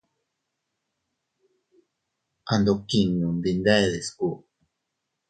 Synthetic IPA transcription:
a˨nd̪o˨ki˨nũ˨nd̪i˨nd̪a˦e˨ðe˨sku˦

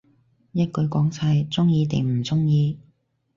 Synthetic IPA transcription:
jɐ˥t̚kɵ˨˧ɥkɔː˨˥ŋt͡sʰɐ˧jt͡sʊ˥ŋjiː˨˧t̪ḛ˨˩ŋm̩˨˩t͡sʊ˥ŋjiː˨˧

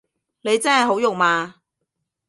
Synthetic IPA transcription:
ne˨˧jt͡sɐː˥nhɐ˨jɦo˨˥wjʊ˨ŋmaː˧

